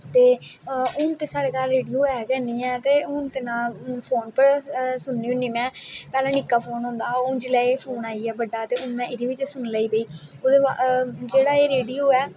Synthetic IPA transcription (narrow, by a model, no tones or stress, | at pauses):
t̪eːʊnt̪eːsaːɽeːkaːlɾeːɖijuːɛːkɛːnd̪iːɛ̃ːt̪eːʊnt̪eːnãːpʰoːnpəɾsʊnːiːʊnːiːmɛ̃ːpɛːlãːnɪkːaːpʰoːnɦʊ̃ːnd̪aːod͡ʒɪlɛːepʰoːnaːiːɛːbəɖaːt̪eːʊnmɛ̃ːʔɪɾiːʋɪt͡ʃsʊnləiːpeiːoːd̪eːad͡ʒeːɽaːeːɾeːɖiːuːɛː